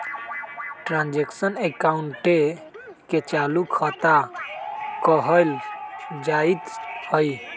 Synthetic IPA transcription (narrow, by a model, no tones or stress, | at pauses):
ʈɾãnd͡ʒeksənekauɳʈe | ket͡ʃalukʰət̪a | kəɦəld͡ʒait̪həj